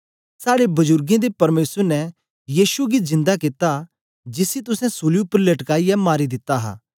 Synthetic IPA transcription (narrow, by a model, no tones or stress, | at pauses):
saːɽebɐd͡ʒʊɾɡẽd̪epɐɾmeːsəɾnɛ | jiːʃuɡizɪ̃nd̪akɪt̪a | d͡ʒɪsit̪̬ʊsɛ̃soːljupɾilɐʈkaːijɛmaːɾid̪ɪt̪ːaɦa̰ː